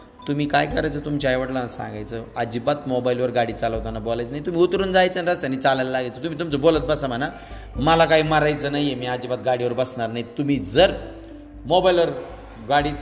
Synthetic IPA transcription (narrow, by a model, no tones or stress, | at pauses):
t̪um̤iːkajkəɾajt͡sət̪umt͡ɕajʋəʈlanasã̰ŋɡajt͡səad͡ʑibat̪mobajlʋəɾɡaɽiːt͡saləʋt̪anabolajt͡snajit̪um̤iːut̪ɾuːnd͡zajt͡sənɾad͡zt̪janːit͡salajlalaɡejt͡sət̪umit̪umt͡səbolət̪̚bəsam̤əna | məlakaiːməɾajt͡səːnajemiːad͡ʑibat̪̚ɡaɽiːʋəɾbəsɳaɾnait̪um̤iːd͡zəɾ | mobajlʋəɾ | ɡaɽiːt͡s